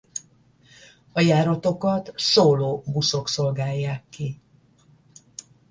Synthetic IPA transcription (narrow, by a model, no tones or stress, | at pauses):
ɒjaːɾɒt̪o̞kɒt̪soːloːbuso̞kso̞lɡaːjːaːkːi